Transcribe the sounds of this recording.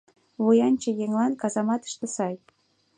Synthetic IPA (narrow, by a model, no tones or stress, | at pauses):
βujɑnʲt͡ɕə̆jeŋlɑnkɑzɑmɑt̪ə̥ʃt̪ə̆sɑj